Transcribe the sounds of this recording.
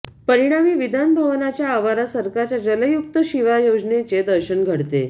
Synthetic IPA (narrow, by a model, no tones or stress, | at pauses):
pəɾiɽ̃amiːʋid̪ʱanbʱəʋnat͡ɕjaːʋaɾasəɾkat͡ɕjad͡ʑələjuk̚t̪əɕiʋajod͡znet͡sed̪əɾɕəɳɡʱəɽt̪ḛ